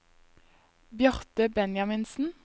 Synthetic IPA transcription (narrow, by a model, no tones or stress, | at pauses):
bjœʁt̪əbɛnjɑmɪnsn̩